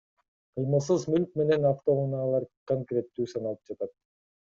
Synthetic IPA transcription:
qʰɯjmɯlˠs̬ɯzmylʲk̚me̞ne̞naft̪o̞unɑlˠɑɾkoŋkɾʲe̞t̪ːyːsɑnɑlˠɯp̚d͡ʒɑt̪ɑt̪̚

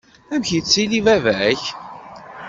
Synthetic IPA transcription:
æmçit͡sːilivævæç

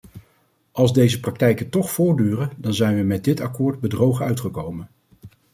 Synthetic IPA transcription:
ʔɑlˠzdejzəprɑk̚tɛjkəntɔχfʊːɹdyːrədɑnzɛjnʋəmɛt̚dɪtɑkʊːɹd̚bədrowχəœɥtχəkowmən

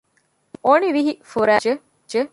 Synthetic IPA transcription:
oniʋiɦifuɾæːd͡ʒe | d͡ʒe

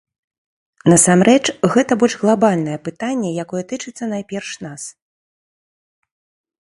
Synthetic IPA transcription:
nɐsamɾɛt͡ʂɣɛt̪ɐbɔlʲʐɣlˠabalʲn̪ɐjɛpɨt̪anʲːɛjakɔjɛt̪ɨt͡ʂɨt̪sːɐn̪ajpʲɛrʂnas

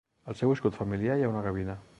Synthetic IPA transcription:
alsɛweskut̪familjajaunaɣaβ̞ina

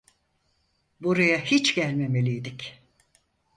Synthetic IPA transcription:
buɾajahit͡ʃɟælʲme̞me̞lʲijd̪ic

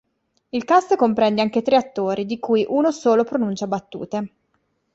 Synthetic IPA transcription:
ilkast̪kompɾɛnd̪eaŋk̟et̪ɾeat̪ːoːɾid̪ikuːjʔuːnosoːlopɾonunt͡ʃabat̪ːṵːt̪e

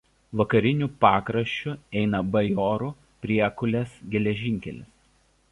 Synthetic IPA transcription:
ʋɐkɐɾʲɪnʲuːˑpɑːkɾɐʃʲt͡ʃʲʊɛɪnɐbɐjoːɾu | pʲɾʲiɛkʊlʲɛsɡʲɛlʲɛʒʲɪŋʲkʲɛ̰lʲɪ̰s

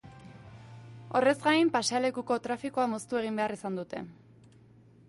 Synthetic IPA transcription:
o̞re̞zɡajmpaseale̞kuko̞t̪ɾafiko̞amo̞st̪ue̞ɣ̞imbe̞arisand̪ut̪e̞̰

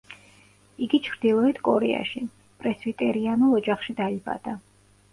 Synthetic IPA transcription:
iɡit͡ʃʰɾd̪̥ilˠɔɛt̪ʰkʼɔɾɛ̰a̰ʃi | pʼɾɛsvit̪ʼɛɾianulˠɔd͡ʒaχʃid̪aiba̰d̪̥a

